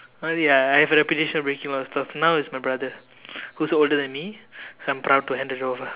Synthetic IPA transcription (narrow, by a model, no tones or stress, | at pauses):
ojaajhɛvəɾɛpitiʃə̃nɔvbɹẽkĩŋlɔstɔfnawɪsmajbɹad̪ə | husoldədɛ̃nmisoãjmpɾawd̚tuhɛ̃ndədovə